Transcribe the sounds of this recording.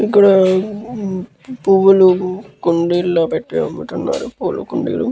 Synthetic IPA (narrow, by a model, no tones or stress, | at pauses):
ikːuɽɐ | puːʋɐlukuɳɖilːapeʈːeɐmːuʈːunːa̰ːɾupuːlṵkuɳɖḭːlu